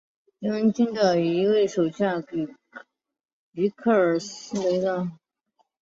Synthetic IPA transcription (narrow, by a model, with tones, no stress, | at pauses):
ɻi˧˥wə˧˥nt͡ɕi˥nʈ͡ʂɑ˨˩i˧˥we˥˩ɪʂo˨˩ʊɕja˥˩k | i˧˥kʰɤ˥˩ə˞˨˩s̩˥we˧˥ɪd̪ə˧˩